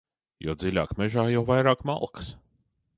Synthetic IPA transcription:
jɔːd̪zilʲaːkmʲɛʒaːjawvajɾaːkma̰lˠks

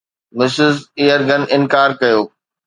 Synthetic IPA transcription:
mɪsɪzijəɾɡɐnɪ̃nkaːɾkɐjoː

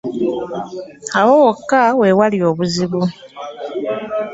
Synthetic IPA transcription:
awowokːawe̞walio̞ːβuziβu

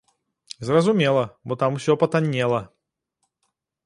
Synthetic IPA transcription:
zrɐzʊmʲelˠɐbɔt̪amfsʲɔpɐt̪ɐnʲːelˠɐ

